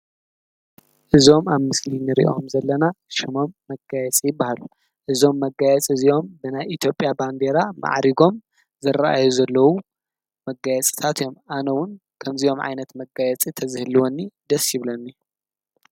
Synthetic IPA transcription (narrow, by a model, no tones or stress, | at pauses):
ʔɨzo̞maβmɨslinɨɾḭʔo̞mzɐlːɐnaʃimo̞mːɐɡajɛt͡sʼijɪbːahalu | ʔɨzo̞mːɐɡajɛt͡sʼiziʔo̞mbɨnajit̪ʰjo̞pʼjaband̪eɾama̰ʕɾiɡo̞m | zɐraʔa̰juzɐlːɐwu | mɐɡajɛt͡sʼi̥t̪ʰat̪ʰjo̞mʔanɐwʊn | kʰɐmziʔo̞mʕa̰jnɐt̪mɐɡajɛt͡sʼit̪ʰɐzɨhɨliwonːid̪ɐsiβlɐnːij